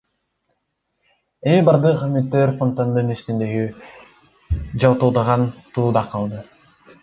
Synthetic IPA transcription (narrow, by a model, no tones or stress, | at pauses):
emibɑɾd̪ɯqmyt̪ːøɾfont̪and̪ɯnist̪ind̪eɡi | d͡ʒɑwˠt̪ulˠd̪ɑʁɑnt̪ud̪ɑqʰɑlˠd̪ɯ